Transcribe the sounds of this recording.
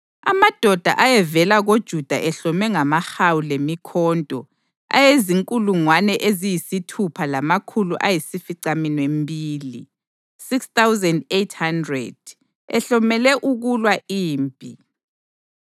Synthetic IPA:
a̰mad̥ʱɔd̥ʱa̰ʔajɛvɛlaɣod̥ʒ̥ʱud̥ʱaʔɛɬɔmɛŋamahawulemikʰɔːntʼɔ | a̰jeziŋkʼuluŋwanɛʔezijisitʰupʰalamakʰuluʔajisifiǀaminwembʱiːlḭ | sikst̪awzɛndetʰhandrɛ̰d̥̚ | ɛ̰ɬɔmɛlɛʔuɣulwaʔiːmpʼi

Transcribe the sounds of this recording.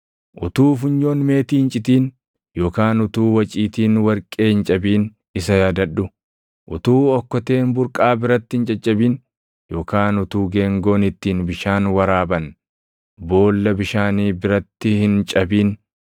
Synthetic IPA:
ʔʊt̪uːfʊɲːo̞ːnme̞ːt̪iːɪnt͡ʃʼɪt̪iːn | jo̞ːkaːnʊt̪uːwɐt͡ʃʼiːt̪iːnwɐɾkʼeːhɪnt͡ʃʼɐbiːn | ɪsɐjaːd̪ɐᶑːʊ | ʔʊt̪uːɔkːɔt̪e̞ːnbʊɾkʼaːbɪɾɐt̪ːɪhɪnt͡ʃʼɐt͡ʃʼːɐbiːn | jo̞ːkaːnʊt̪uːɡeːŋɡo̞ːnɪt̪ːiːnbɪʃaːnwɐɾaːbɐn | bo̞ːlːɐbɪʃaːniːbɪɾɐt̪ːɪhɪnt͡ʃʼɐbiːn

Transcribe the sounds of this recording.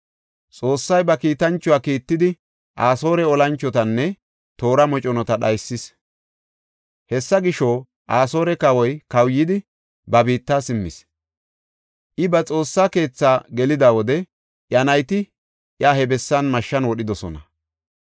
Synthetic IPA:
t͡sʼo̞ːsːɐjbɐkiːt̪ɐnt͡ʃːʊwaːkiːt̪ːɪd̪ɪ | ʔaːso̞ːɾɛɔlɐnt͡ʃːɔt̪ɐnːɛ | t̪o̞ːɾɐmɔt͡ʃʼɔnɔt̪ɐɗɐjsːɪs | hɛsːɐɡɪʃɔ | ʔaːso̞ːɾɛkɐwɔjkɐwjːɪd̪ɪ | bɐbiːt̪ːaːsɪmːɪ̰s | ʔɪbɐt͡sʼo̞ːsːaːke̞ːt͡sːaːɡɛlɪd̪awɔd̪ɛ | ʔjɐnɐjt̪ɪ | ʔjahɛbɛsːɐnmɐʃːɐnwɔɗɪd̪ɔsɔnɐ̰

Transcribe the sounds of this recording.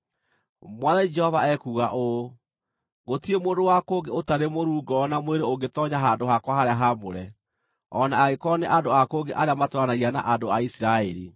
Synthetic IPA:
mwaðaid͡ʒɛhɔvaɛkuːɣaʔo | ɣotiemodowakoːɡeotaɾemoɾuːɡɔːnamweɾeoɡetɔɲaɦaːndoɦakwaɦaɾeaɦamoɾɛ | ɔnaːɣekɔneʔandoakoːɡeʔaɾeamatwɾanaɣiana̰ʔandoaisiɾaɛɾḭ

